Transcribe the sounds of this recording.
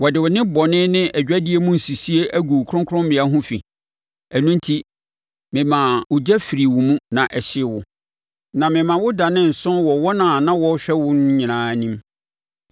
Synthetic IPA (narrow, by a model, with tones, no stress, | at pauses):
wɔ˨dɪ˨wɔ˨nɪ̃˦bɔ˨nɪ̃˦nɪ̃˦ʔæ˨d͡ʑᶣæ˦dɪ˦e˦mũ˦n̩˨si˨si˦e˦ʔæ˦ɡu˨kʰɾʊ̃˦ŋkʰʊ̃˦mmɪ̃˨˦a˦ɦʊ̃˦fḭ˨ | æ˨nũ˦n˦tʰi˦ | mɪ̃˨mã˨wʊ˨d͡ʑɛ˦fi˨ɾi˨wʊ˨mũ˦nã˨ʔɛ˨ɕɪ˦˨wʊ˨ | nã˨mɪ̃˨mã˨wʊ˦da˨nɪ̃˦n̩˨sʊ̃˦nwɔ˨wɔ˦nã˨nã˦wɔ˦ɕᶣɛ˦wʊ˦ñ˦ɲĩ˨ãː˨˦nĩ˦m